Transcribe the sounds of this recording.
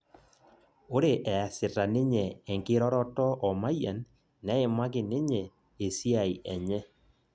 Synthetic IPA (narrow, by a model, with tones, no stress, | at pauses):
o˦ɾe˨ʔɛ˨a˨sɪ˨ɾa˨nɪ˦ɲɛ˨ɛ˨ŋkɪ˦ɾɔ˦ɾɔ˦tɔ˦ʔɔ˨ma˦ja˨nː | ɛ˦e˨ma˦ɡɪ˨nɪ˦ɲɛ˨ | e˨si˦a˦˨i˨ʔɛ˨ɲɛ˦